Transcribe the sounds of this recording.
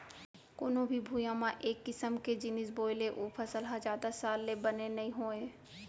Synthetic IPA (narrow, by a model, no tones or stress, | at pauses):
koːnõbʱibʱujãmãʔeːkːɪsəmked͡ʒɪnɪsboːɪleʔopʰəsəlɦad͡ʒaːd̪asaːlːebɐnenɐɦĩɦoːẽː